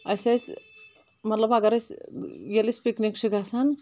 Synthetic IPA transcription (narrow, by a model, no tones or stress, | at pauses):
ɐjsɐs | mɐt̪lɐbɐɡɐɾɐsjelispiknikt͡ʃʰiɡasan